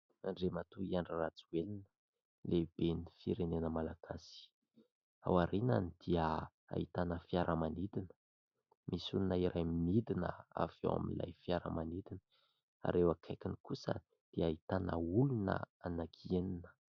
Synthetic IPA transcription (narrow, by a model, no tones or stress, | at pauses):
aɳɖ͡ʐemat̪uiaɳɖ͡ʐirat͡suwelinə̥ | leb̥enifiɾenenəmalaɡ̥asi̥ | a̰waɾina̰nid̪̥iə | a̰it̪anəfjaɾʔəmanid̪inə̥ | misuninaiɾajmid̪inə̰a̰vo̰wa̰mila̰jfiaɾə̰manid̪inə | a̰ɾewakʰajkʲinikusə̰ | d̪̥iaait̪anə̰ulunə̰ | anakʰieninə̥